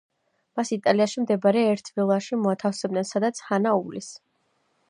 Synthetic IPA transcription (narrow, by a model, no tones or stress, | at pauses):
masit̪ʼaliaʃimd̪ɛbaɾɛːɾt̪ʰvilˠaʃimɔat̪ʰafsɛbd̪nɛnsad̪at̪sʰhanaulis